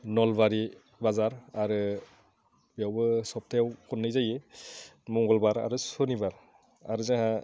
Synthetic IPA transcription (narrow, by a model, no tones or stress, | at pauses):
nɔlbaɾi | bazaɾaɾɯ | biawbɯsɔp̚tʰajawkɔnːɯjzaje | mɔŋɡɔlbaɾa̰ɾɯsɔnibaɾ | a̰ɾɯzaɦa